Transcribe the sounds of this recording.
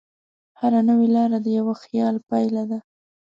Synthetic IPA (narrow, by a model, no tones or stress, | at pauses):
haɾanəwelɑɾad̪əjawaxjɑlpajlad̪a